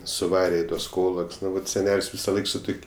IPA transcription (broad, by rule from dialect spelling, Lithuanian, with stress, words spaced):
sʊˈʋɑːrʲɛ ɪ ˈtuɔs ˈkoːlˠoːkʲsʲ ˈnʊ ˈʋɐt sʲɛˈnʲɛlʲsʲ ʋʲɪsɐˈlˠɐɪk sʊ ˈtʊkʲ